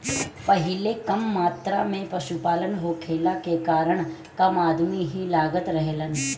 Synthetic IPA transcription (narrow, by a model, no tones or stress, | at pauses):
pəɦɪlekəmːaːt̪ɾamẽpəʃupaːlənɦokʰeːlakekaːɾəɳ̃ | kɐmaːd̪miɦilaːɡət̪ɾəɦelən